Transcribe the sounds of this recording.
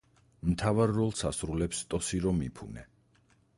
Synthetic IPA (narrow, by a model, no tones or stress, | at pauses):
mt̪ʰavaɾːɔlˠsasɾulɛpst̪ʼɔsiɾɔmḭpʰṵnɛ